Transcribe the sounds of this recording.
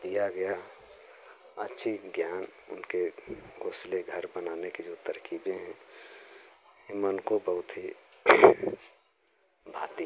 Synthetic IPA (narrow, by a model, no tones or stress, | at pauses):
d̪ijaɡɐja | ətːʃʰiɡjaːnʊ̰nkeɡoːsleɡʱəɾbənaːnekid͡ʒot̪əɾkiːbẽɦɛ̃ | emənkobəɦʊt̪ɦi | bʱaːt̪i